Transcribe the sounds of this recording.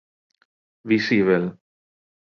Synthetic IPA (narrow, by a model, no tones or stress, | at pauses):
visiβel